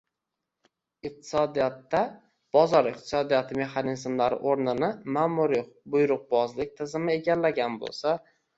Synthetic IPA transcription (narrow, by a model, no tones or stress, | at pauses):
ɪq̚t̪ʰɪ̥sɒd̪ijat̪ːa | b̥ɒzɒɾɪq̚t̪ʰɪ̥sɒd̪ijat̪ʰɪme̞χanɪzmlaɾɪ̰ʔoɾnɪnɪmaːmʊɾibʊjɾʊq̚bɒzlɪk̚ʲt̪ʰɪzɪmɪeɡʲallːaɡʲanbo̰lˠsa